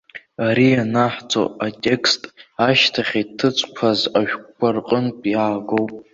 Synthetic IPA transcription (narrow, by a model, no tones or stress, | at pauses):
aɾianaħt͡sʰʼo̰atʲʼe̞kʰstʼaʃtʰaχʲitʰɨt͡sʷʰʼkʷʰazaʒᶣʷkʷʰarqʼənpʼjaːɡowpʼ